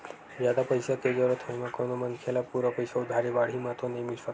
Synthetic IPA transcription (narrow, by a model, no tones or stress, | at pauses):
d͡ʒjad̪apəjsak̪ed͡ʒəɾət̪ʰəjmãkonomənkʰelapuɾəpəjsaud̪ʱaɾiʋaɽ̤imãt̪onemisa